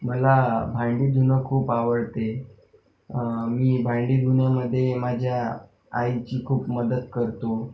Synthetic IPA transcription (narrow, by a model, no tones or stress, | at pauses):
məlabʱãɳɖiːd̪ʱunəkʰuːpaʋəɽt̪e | miːbʱaɳɖiːd̪unjaməd̪ʱːjemad͡ʑʱjaː | jt͡ɕiːkʰuːpməd̪əd̪kəɾt̪o